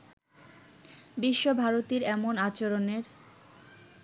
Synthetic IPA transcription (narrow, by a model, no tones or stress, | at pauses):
biʃːobʱaɾot̪iɾɛmonat͡ɕoɾoneɾ